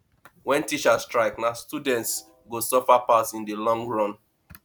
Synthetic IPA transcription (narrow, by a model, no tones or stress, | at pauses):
wɛ̃ntit͡ʃastɹaɪknastudɛ̃nts | ɡosɔfapasĩndilɔ̃ŋɡɹɔ̃n